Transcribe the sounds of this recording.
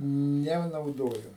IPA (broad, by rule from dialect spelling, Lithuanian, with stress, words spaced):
nʲɛnɐʊˈdoːjʊ